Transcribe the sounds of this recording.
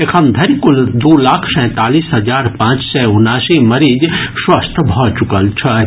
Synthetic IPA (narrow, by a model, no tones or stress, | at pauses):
ekʰəmd̪ʱɐɾikʊld̪oːlaːkʰsɛ̃ːt̪aːliːsɦɐd͡ʒaːɾpãːt͡ʃsɛʊnaːsimɐɾiːd͡ʒswəst̪ʰbʱɔt͡ʃʊkəlt͡ʃʰɛ